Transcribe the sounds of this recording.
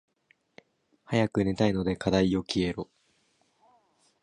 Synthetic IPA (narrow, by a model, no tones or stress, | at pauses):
hajakɯ̟ne̞t̪aino̞d̪e̞kad̪aio̞kʲie̞ɾo